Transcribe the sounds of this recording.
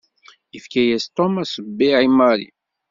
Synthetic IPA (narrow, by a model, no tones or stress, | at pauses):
əfkæjæst̪ˤomæsˤəbːiʕimːɑɾḭ